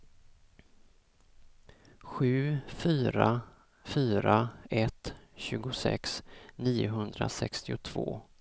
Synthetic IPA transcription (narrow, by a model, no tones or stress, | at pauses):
ɧʉ̟ːfyːɾa | fyːɾaɛt̪ɕʉ̟ːɡʊsɛ̰ksniːʊɦɵnd̪ɾasɛkst̪ɪʊt̪ʰv̥o̰ː